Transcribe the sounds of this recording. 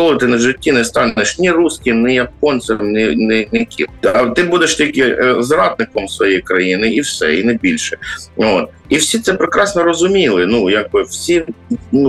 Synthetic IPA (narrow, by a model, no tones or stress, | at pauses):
ɔlˠʊt̪ɪnɐʒɪtʲːinɛst̪ɑnnɪʃnʲirusʲkʲinɛjɐp̚ɔnsʲɪmnʲɪnɛnɛkʲḭɐt̪ɪbud̪ɛʃt̪ʲilʲkɪzɾɑd̪̚nɪkɔmsʋɔjɛjkɾɐjinɪiwsɛ̰inɛbʲilʲʃɛo̰t̪ | iwsʲit̪sɛpɾɪkɾɑsnɔɾɔzʊmʲilˠɪnujaɡ̚bɪwsʲinu